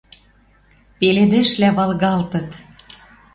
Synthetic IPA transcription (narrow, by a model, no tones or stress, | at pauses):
peled̪ĕʃlæβɑlɣɑlt̪ɤ̆t̪